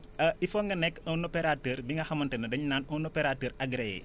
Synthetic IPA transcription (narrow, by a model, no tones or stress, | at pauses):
ɐifoːŋɡɐnɛkːɔnopeɾatəːɾbiŋɡɐxɐmɐntenɐdɐɲnaːnɔnopeɾatəːɾɐɡɾejɛ̰